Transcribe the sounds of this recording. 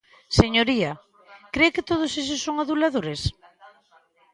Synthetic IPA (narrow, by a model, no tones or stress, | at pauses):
seɲoɾia | kɾeokɪt̪oð̞ʊses̬ʊsːoŋaðulaðoɾes